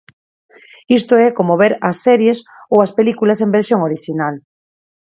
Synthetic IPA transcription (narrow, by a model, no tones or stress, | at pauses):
ist̪oɛkomoβeɾɐsːɛɾjes | owɐspelikulɐsembeɾsjoŋoɾiʃinal